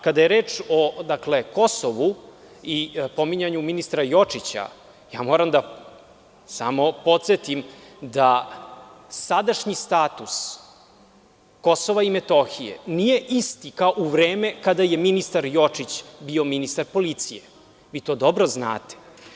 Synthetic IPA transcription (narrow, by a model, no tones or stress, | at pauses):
kad̪ajeɾe̞ːt͡ʂod̪akle̞ko̞soʋu | ipo̞miɲaɲuminist̪ɾajo̞t͡ʂit͡ɕa̰ | jaːmoːɾamd̪a | sa̰mo̞po̞t̪set̪imd̪a | sad̪aʃɲist̪aːt̪us | ko̞soʋaimet̪o̞xijḛnije̞ʔist̪ikaoʔuʋɾeːmekad̪aje̞minist̪aɾjo̞t͡ʂit͡ɕbio̞minist̪aɾpo̞lit̪sije | ʋiːt̪o̞ːd̪o̞bɾo̞zna̰ːt̪e̥